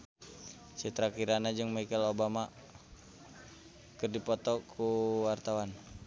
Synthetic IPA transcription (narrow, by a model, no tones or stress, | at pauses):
t͡ʃət̪ɾakiɾanad͡ʒɨŋmikɛlobama | kɨrdipɔt̪ɔkʰuwart̪awan